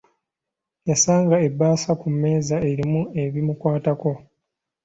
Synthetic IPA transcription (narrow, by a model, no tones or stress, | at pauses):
jasaːŋɡae̞bːaːsakumːe̞ːzae̞ɾimue̞βimukwaːtako̞